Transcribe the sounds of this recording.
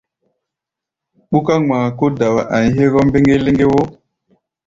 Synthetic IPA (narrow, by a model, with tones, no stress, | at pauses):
ɓu˦ka˦ma˨ko˦da˨wa˨ʔa˨ɲi˨˦ɦe˦ɣɔ˦m˦be˦ŋɡe˦le˦ŋɡe˦wo˦